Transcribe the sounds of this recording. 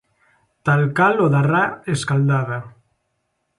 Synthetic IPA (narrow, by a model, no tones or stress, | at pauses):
t̪alkaloðaraeskald̪aða